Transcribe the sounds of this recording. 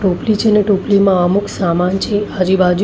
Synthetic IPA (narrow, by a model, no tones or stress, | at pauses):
ʈõplit͡ʃʰeneʈõplimãəmuksamant͡ʃʰead͡ʒibʱad͡ʒ